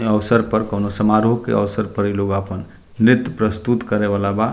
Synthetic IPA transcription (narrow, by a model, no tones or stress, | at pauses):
əʋsəɾpəɾkəwnosəmaɾɦokḛʔəʋsəɾpəɾiloɡapən | ɪt̪ːpɾəst̪ut̪kəɾeʋalaba